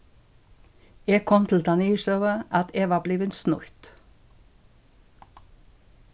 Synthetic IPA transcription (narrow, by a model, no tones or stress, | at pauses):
eːɡkʰɔmt̪ʰl̩t̪ʰɑniːʃøːʋəʔɑt̪eːʋɑːbliːʋənsnʊ̰ɾt̪